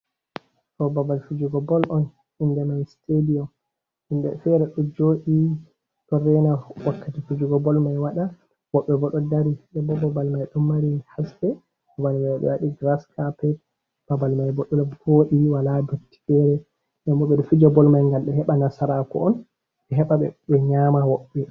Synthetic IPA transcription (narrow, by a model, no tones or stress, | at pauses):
tɔbabalfud͡ʒuɡɔbɔlʔɔn | indɛmanstediɔm | ʔindɛ̰fɛɾɛɗɔd͡ʒoːɗi | tɔɾɛnawakːatifud͡ʒuɡɔbɔlmajwaɗa | b̥ɔɓːɛbɔɗɔdaɾidɛmbɔbabalmajɗɔmːaɾihasdɛ | babalmajwaɓɛ̰waɗiɡɾaskapɛt̚ | b̥abalmajbɔɗɔlɔboːɗiwaladotːi̥fɛɾɛ | ɗɛmbɔɓɛɗɔfid͡ʒɔbɔlmajŋɡalɗɛhɛɓanasaɾakɔ̰ʔɔn | ɛɦɛɓaɓɛ̰bɛɲamawɔɓːɛ